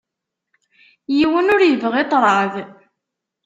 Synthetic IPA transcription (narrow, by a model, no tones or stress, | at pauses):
jiwənʊɾjəvʁet̪ˤɾˤɑð